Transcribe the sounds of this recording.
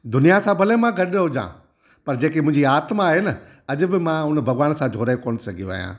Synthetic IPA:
d̪ʊnijasãbʱɐlemãɡɐɗɦod͡ʒã̰ː | pɐɾd͡ʑeːkemʊ̃ɦɪ̃ɲd͡ʑiaːt̪maɦenə | ɐʄʊbɪmãɦʊn̆bʱɐɡʋaːnsãd͡ʒʱoːɾaːkoːɽ̃sɐɡʱijõaːɦijã̰ː

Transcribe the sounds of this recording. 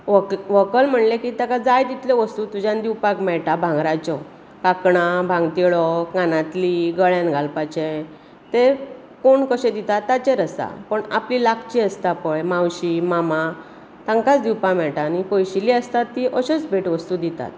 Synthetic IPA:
ʋkʋəkəlm̤əɳlekit̪akad͡zajd̪it̪leʋəst̪ut̪ud͡ʑãnd̪iwpakmɛɭʈabʱãŋɡɾat͡ɕɔ | kakɳabʱãŋɡt̪iɭɔkanãt̪liɡəɭjãnɡʱalpat͡ɕẽ | t̪e | koɳkəɕɛ̃d̪it̪at̪ːat͡ɕẽɾəsa̰pəɳaplilakʰt͡ɕiəst̪apəɭmãwɕimama | t̪ãŋkat͡sd̪iwpamɛɭʈaːnipɔjɕiliəst̪at̪ːiʔəɕɔt͡sbʱeʈʋəst̪ud̪it̪a̰t̪

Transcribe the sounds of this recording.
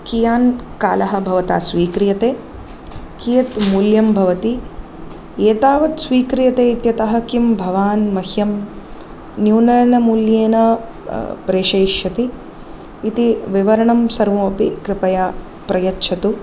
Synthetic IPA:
kijaːnkaːlɐɦɐ̆bʱɐʋɐt̪a̰ːsʋiːkɾijɐt̪eː | kijɐt̪muːljɐmbʱɐʋɐt̪i | eːt̪aːʋɐt̪sʋiːkɾijɐt̪eːit̪jɐt̪ɐɦɐ̆kimbʱɐʋaːnmɐhjɐm | njuːnɐɾɐnɐmuːljeːnɐ | pɾeːʃeːʃjɐt̪iː | t̪iʋiʋɐɾɐɳɐmsɐɾʋoːpikɾɪpɐja | pɾɐjɐtːʃʰɐt̪u

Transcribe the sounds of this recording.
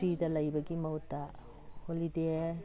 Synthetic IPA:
idɐlɐjbɐɡimɐwtːa | holide

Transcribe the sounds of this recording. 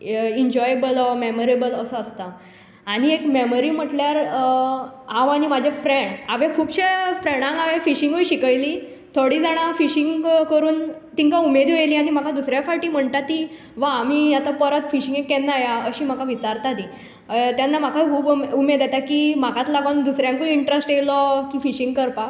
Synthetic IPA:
iɲd͡ʑɔjebəlɔmeməɾebələsəəst̪a | aɽ̃iekmeməɾiːm̤əʈljaɾ | ɦãʋaɽ̃imad͡ʑʱefɾẽɳɖaʋẽkʰuːbɕefɾeɽ̃ãŋkaʋẽfiɕiŋɡojɕikəjliː | t̪ʰoɽiːd͡zaɽ̃afiɕiŋɡkəɾuːnt̪iŋkaumed̪oeliːaɽ̃im̤akʰad̪usɾjafaʈiːm̤əɳt̪at̪i | ʋaːmiːat̪apəɾət̪fiɕĩŋɡekːɛnːajaəɕiːm̤akaʋit͡saɾt̪ad̪i | t̪janːam̤akʰakʰuːbumed̪jat̪akimakat̪laɡand̪usɾjãŋkoiɳʈɾesʈelɔkiːfiɕiŋɡkəɾpa

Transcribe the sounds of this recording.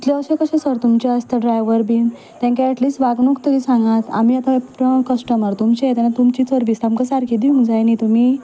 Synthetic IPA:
it̪liəwɕekəɕẽsəɾt̪umt͡ɕaəst̪əɖɾajʋəɾbin | t̪jãŋkaəʈliːsʋaɡnukt̪əkisãŋɡãt̪a̰m̤iːat̪ãpːə̃kəsʈəmaɾt̪umt͡ɕeet̪anat̪umt͡ɕiːt͡səɾbisamkəsaɾkid̪iũŋd͡zajnit̪umi

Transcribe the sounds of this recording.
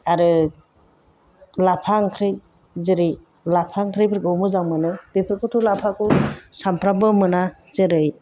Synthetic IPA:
aɾɯ | lapʰaŋkʰɾɯj | zɯɾi | lapʰaŋkʰɾijbiɾɡɯwmɯzaŋmɯnɯbipʰɯkʰutʰulapʰakusampʰɾabɯmɯna | zɯɾɯj

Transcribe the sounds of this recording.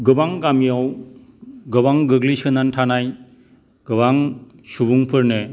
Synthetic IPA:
ɡɯbaŋɡamijaw | ɡɯbaŋɡɯɡlisɯnantʰanaj | ɡ̥ɯbaŋ | subuŋpʰɯɾnɯ

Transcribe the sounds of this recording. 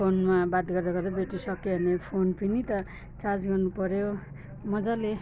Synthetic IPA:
onmabad̪ɡʌrd̪aɡʌɾʌbeʈisʌkeɦʌnepʰonpinit̪ʌ | t͡sard͡zɡʌrnupʌɾjo | mʌd͡zale

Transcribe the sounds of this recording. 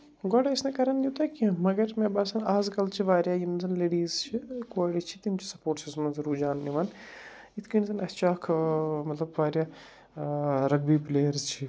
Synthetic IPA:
ɡɔɽaisnekɐɾɐnjut̪aːkimɐɡɐɾmẽbaːsɐnaːzkɐlt͡ʃʰiʋaːɾjaːjinzɐnleːɽiːzt͡ʃʰikoːɽit͡ʃʰit̪imt͡ʃʰi̥sɐ̥poːʈt͡ʃizmɐnzɐɾuːd͡ʒaːnːiʋaːn | it̪ʰkinzɐnɐst͡ʃaːkʰmɐt̪lɐbʋaːɾjaː | ɾɐɡbiːpleːɐɾzt͡ʃʰi

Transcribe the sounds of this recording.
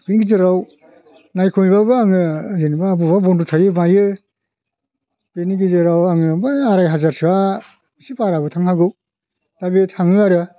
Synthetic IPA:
penɡizɯɾaw | najkʰumibabɯaŋɯzenibaːbuβabɔndutʰajɯmajɯ | peniɡizɯɾawaŋɯbɯaɾajɦazaɾsiwa | isipaɾabɯtʰaŋhaɡɯw | tabetʰaŋɯaɾɯ

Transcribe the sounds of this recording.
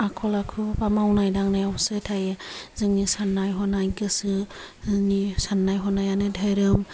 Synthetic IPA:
akʰɔlakʰɯpamawnajdaŋnajawsɯtʰajezɯŋnisanːajɦɔnajkɯsɯ | nisanːajɦɔnajanɯdʱajɾɯm

